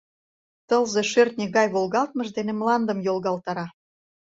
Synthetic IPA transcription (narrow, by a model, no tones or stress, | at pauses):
t̪ɤlzeʃørt̪̚nʲeɣɑjβolɣɑlt̪̚mə̆ʒd̪enĕmlɑnd̪əmjolɣɑlt̪ɑɾɑ